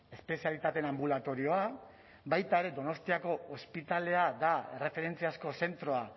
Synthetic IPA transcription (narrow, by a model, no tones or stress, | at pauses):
e̞spe̞sialit̪at̪e̞nambulat̪o̞ɾio̞a | bajt̪ae̞ɾe̞d̪o̞no̞st̪iako̞ːspit̪ale̞ad̪ae̞re̞fe̞ɾe̞nt͡siasko̞se̞nt̪ɾo̞a